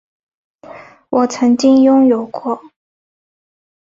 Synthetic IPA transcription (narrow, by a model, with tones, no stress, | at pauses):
wʔɔ˨˩t͡sʰɤ˧˥ŋt͡ɕi˥ŋjʊ˥ŋjo˨˩ʊkwɔ˥˩